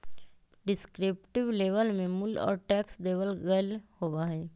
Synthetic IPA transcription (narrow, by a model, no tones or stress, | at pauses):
ɖɪskɾɪːpʈɪʋleːʋəlmẽmʊlɔ̰ːɾʈɛːksleːʋəlɣɐlhowaɦɛː